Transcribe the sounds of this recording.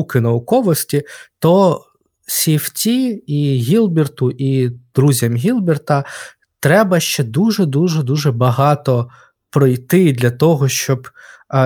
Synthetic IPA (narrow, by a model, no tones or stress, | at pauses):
ukɪnɐʊkɔʋɔsʲtʲit̪ɔ | sʲift͡sʲiiɣʲilˠbʲɛrt̪ʊʔid̪̥ɾuzʲɐmɦʲilˠbʲɛrt̪ɐ | t̪ɾɛbɐʃt͡ʃɛd̪uʒɛd̪uʒɛd̪uʒɛbɐɦɑt̪ɔ | pɾɔjt̪ɪd̪lʲɐt̪ɔɦɔʃt͡ʃɔb